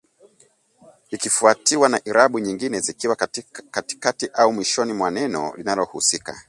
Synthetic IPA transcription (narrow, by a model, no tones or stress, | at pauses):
ikifuatiwanaʔiɾaɓuɲiŋɡinɛzikiwakati̥katiʔaumwiʃɔnimwanɛnɔ̰linalɔhusika̰